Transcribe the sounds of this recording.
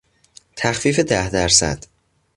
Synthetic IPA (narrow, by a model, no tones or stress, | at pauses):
t̪ʰæxfiːfed̪æhd̪æɾsæ̰d̪̥